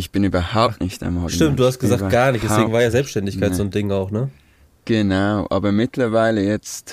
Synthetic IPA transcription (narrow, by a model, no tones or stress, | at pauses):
ɪçb̥ɪnyːbɐhaʊptnɪçta̰mɔʃtɪmt̚d̥uːhast̚ɡ̥əzaːk̚ɐɡ̥aːɐnɪçd̥ɛveːŋ̩vaːɐjaːzɛlpsʃtɛndɪçkʰaɪzzoːndɪŋaʊxnə | ɡ̥ənaʊʔa̰ːbɐmɪtlɐvaɪləjɛt͡st